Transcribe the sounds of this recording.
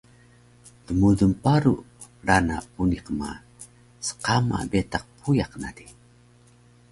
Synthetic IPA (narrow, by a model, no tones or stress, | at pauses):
təmudumpaɾṵ | ɾanauniqma̰ | sə̥qama̰betaq̚pʰujaqnadi